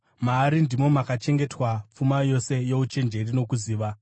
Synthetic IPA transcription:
maːɾindimo̞makat͡ʃe̞ŋɡe̞twap͡fumajo̞se̞je̞ut͡ʃe̞nd͡ʒe̞rino̞kuziːʋa

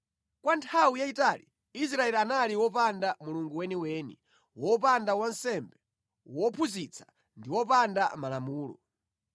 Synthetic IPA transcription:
kwantʰawijaitali | is̬ɾaɛlianaliwɔpandamuluŋɡuwɛniɛwɛːnɛ̰ | wɔpandawansɛmbɛ | wɔpʰuzit͡sʰḁ | ndiwɔpandamalamuːlɔ̰

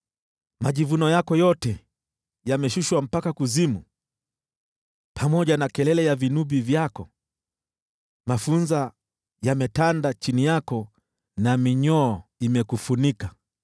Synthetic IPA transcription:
maʄivunɔjakɔjɔtɛ | jamɛʃuʃwam̩pakakuzimu | pʰamɔʄanakɛlɛlɛjavinuɓivjakɔ | mafunza | jamɛtandat͡ʃinijakɔ | namiɲɔːimɛkufunika

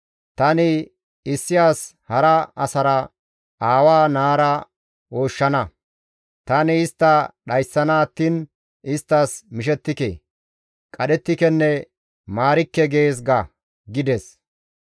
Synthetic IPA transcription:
t̪ɐnɪ | ɪsːɪjaːs | hɐɾɐɐsɐɾɐ | aːwaːnaːɾɐ | oːʃːɐnɐ | t̪ɐnɪːst̪ːɐɗɐjsːɐnaːt̪ːiːn | ʔɪst̪ːasmɪʃ̬ɛt̪ːɪkḛ | kʼɐɗɛt̪ːɪkɛnːɛ | maːɾɪkːɛɡe̞ːs̬ɡɐ | ɡɪd̪ɛs

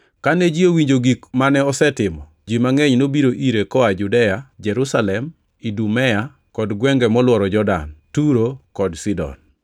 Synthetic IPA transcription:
kanɛd͡ʒiowiɲd͡ʒoɡikmanɛɔsɛtɪmɔ | d͡ʒimaŋɛɲnobiɾoʔiɾekɔad͡ʒudɛjad͡ʒɛɾusalɛm | idumɛja | kɔdɡwɛŋɡɛmɔlwɔɾɔd͡ʒɔda̰ntuɾokɔdsidɔ̰n

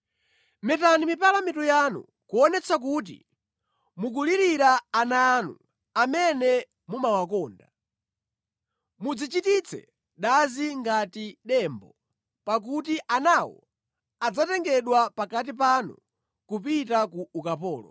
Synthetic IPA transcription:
mɛtanimipalamitujanṵ | kuɔnɛt͡sʰak̬uːt̬ḭ | muk̬uliɾiɾaːnanu | amɛnɛ | mumawakɔːnda | mud͡zit͡ʃitit͡sʰɛ̰ | ɗaziŋɡatiɗɛːmbɔ | pak̬utiʔanawɔ̰ | ad͡zatɛŋɡɛɗwapakat̬ipanṵ | kupitakuukapɔːlɔ̰

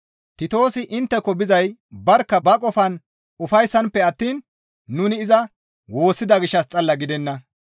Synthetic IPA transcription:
t̪ɪt̪o̞ːsɪʔɪnt̪ːɛkːɔbɪzɐjbɐɾkːɐbɐkʼɔfɐn | ʊfɐjsːɐnpːɛɐt̪ːiːnː | ʊnɪːzɐ | wo̞ːsːɪd̪ɐɡɪʃːɐst͡sʼɐlːɐɡɪd̪ɛnːɐ

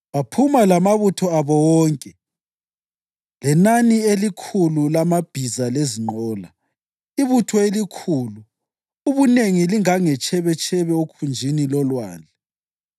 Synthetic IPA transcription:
βapʰumalamaβutʰɔaβɔwɔːŋkʼɛ | lɛnanielikʰululamab̥ʱizaleziŋ͡ǃɔːla | iβutʰɔelikʰuːlu | uβuneŋiliŋaŋɛt͡ʃʰɛβɛt͡ʃʰʼɛβɛokʰund͡ʒʱinilɔlwa̰ːnd͡ɮʱɛ

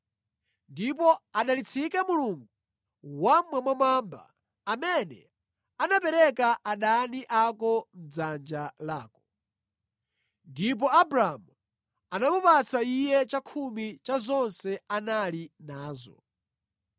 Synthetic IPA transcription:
ndip̬ɔaɗalit͡sʰikɛmuluŋɡu | wamwamwamamba̰ː | mɛnɛ | anapɛɾɛkaʔaɗaniʔakɔm̩d͡zand͡ʒalaːkɔ̥ | ndip̬ɔabɾaamu | anamupat͡saijɛt͡ʃakʰumit͡ʃazɔnsɛanalinaːzɔ̰

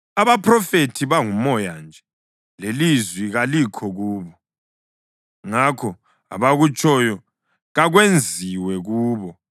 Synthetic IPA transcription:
aβapʰrɔfetʰiβaŋumɔjand͡ʒʱɛ | lelizwiɣalikʰɔɣuːβɔ | ŋakʰɔ | a̰βaɣut͡ʃʰʼɔjɔ | ɣaɣwend͡zʱiwɛɣuːβɔ

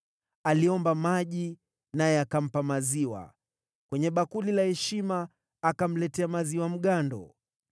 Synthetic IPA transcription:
aliɔmbamaʄi | najɛakam̩pamaziwa̰ | kwɛɲɛɓakulilahɛʃimaː | kam̩lɛtɛamaziwam̩ɠandɔ̰

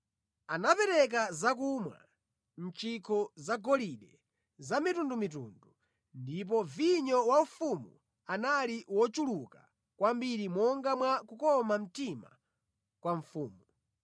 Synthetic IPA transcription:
anapɛɾɛk̬azak̬umwa̰ | n̩t͡ʃikʰɔzaɡɔliɗɛ | zamitundumit̬ṵndu | ndip̬ɔviɲɔwaufumu | analiwɔt͡ʃuluka | kwambiɾimɔŋɡamwakukɔmam̩tima̰ | kwaɱfuːmu

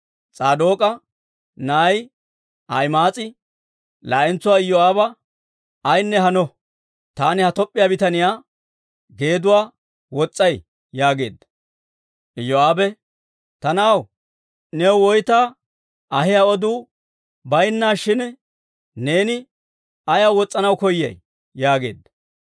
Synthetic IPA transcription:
t͡sʼaːd̪oːkʼɐ | naːj | ʔɐjmaːt͡sʼɪ | laːʔɛnt͡sːʊwaːɪjːɔaːbɐ | ɐjnːɛɦɐnɔ | t̪aːnɪhɐt̪ɔpʼːɪjaːbɪt̪ɐnɪjaː | ɡe̞ːd̪ʊwaː | wɔt͡sʼːɐj | jaːɡe̞̰ːd̪ːɐ̥ | ʔɪjːɔaːbɛ | t̪ɐnaːw | nɛwwɔjt̪aː | ʔɐɦɪjaɔd̪uː | bɐjnːaːʃɪn | ne̞ːnɪ | ɐjawɔt͡sʼːɐnɐwkɔjːɐ̰j | jaːɡḛːd̪ːɐ

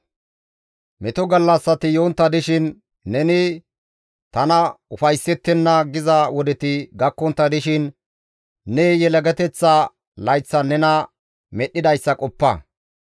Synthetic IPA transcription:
mɛt̪ɔɡɐlːɐsːɐt̪ɪjoːnt̪ːɐd̪ɪʃɪnː | ɛnɪ | t̪ɐnɐʊfɐjsːɛt̪ːɛnːɐɡɪzɐwɔd̪ɛt̪ɪɡɐkːɔnt̪ːɐd̪ɪʃɪnː | ɛjɛlɐɡɛt̪ɛt͡sːɐ | lɐjt͡sːɐnɛnɐ | mɛɗːɪd̪ɐjsːɐkʼɔpːɐ̰

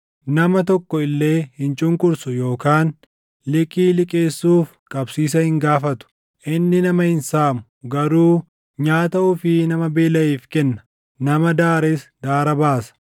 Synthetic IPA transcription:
nɐmɐt̪ɔkːɔɪlːe̞ːhɪnt͡ʃʼʊŋkʼʊɾsʊjo̞ːkaːn | lɪkʼiːlɪkʼeːsːuːf | kʼɐbsiːs̬ɐhɪŋɡaːfɐt̪ʊ̥ | ʔɪnːɪnɐmɐhɪnsaːmʊ | ɡɐɾuː | ɲaːt̪ɐʊfɪnɐmɐbe̞ːlɐiːfkɛnːɐ̥ | nɐmɐd̪aːɾɛsd̪aːɾɐbaːsɐ̥

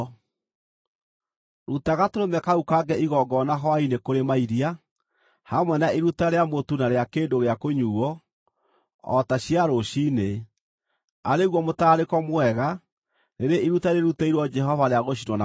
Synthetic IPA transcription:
ɾutaɣatoɾomɛkaukaɡɛʔiɣɔɡɔnaɦɔainekoɾemaiɾia | hamwɛnaiɾutaɾeamotunaɾeakeːndoɣeakoɲuːɔ | ɔ̰taɕiaɾoɕiːne | aɾeɣwɔmotaɾekɔmwɛɣa | neɾeʔiɾutaɾeɾutaiɾwɔd͡ʒɛɦɔvaɾeaɣoɕ̬inwɔna

